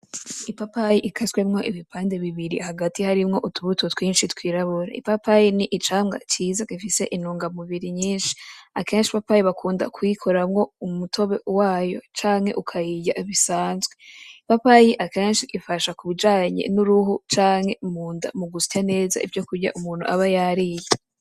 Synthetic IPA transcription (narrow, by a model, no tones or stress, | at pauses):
ipapajiʔikʰaskwemŋo̞ʔiβipʰaːnde̞βiβiɾḭhaɡatihaɾimŋo̞ʔutʰuβutʰotwiːnʃitwiːɾaβoɾa̰ḭpapajiniʔit͡ʃaːmɡa̰t͡ʃiːzakifise̞ʔinuːŋɡamuβiɾiɲiːnʃi̥ake̞ːnʃipapajiβakʰuːnda̰kwikʰoɾamŋo̞umutʰo̞βe̞waːjo̞̰t͡ʃaːŋhe̞̰ʔukʰajijaiβisaːnzɡweipapajiʔake̞ːnʃiʔifaʃakuβid͡ʒaːɲḛnuɾuɦut͡ʃaːŋ̥he̞muːnda̰muɡusi̥tane̞ːza̰ḭvjo̞kuɾɟa̰ʔumuːn̥huʔaβajaɾije